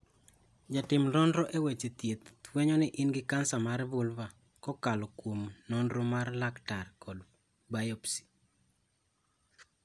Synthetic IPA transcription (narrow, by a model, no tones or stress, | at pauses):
d͡ʒatɪmlɔndɾɔʔewet͡ʃet̪jet̪weɲɔnɪʔɪnɡɪkansamaɾvulva | kɔkalɔkwomnondɾomarlaktarkɔd | bajɔpsi̥